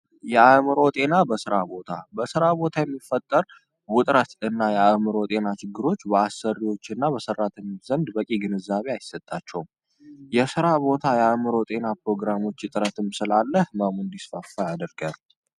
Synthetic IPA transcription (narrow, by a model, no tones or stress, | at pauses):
jɛamɨɾo̞t̪ʼe̞nabəsɨɾabo̞t̪ʰa̰bəsɨɾabo̞t̪ʰajɛmːifət̪ʼːəɾ | wʊt̪ʼɾət̪ɨnːajɛamɨɾo̞t̪ʼe̞nat͡ʃɪɡːɨɾo̞t͡ʃːbəasərːiwo̞t͡ʃːɨnːabəsərːat̪ʰənzənd̪bəkʼiɡɨnɨzaβe̞ajsːət̪ʼːat͡ʃːɛwm | jɛsɨɾabo̞t̪ʰajɛamɨɾo̞t̪ʼe̞napɾo̞ɡɾamo̞t͡ʃːjɪt̪ʼɨɾət̪ʰɨmsɨlalːəhməmund̪isfəfːajad̪əɾɡəm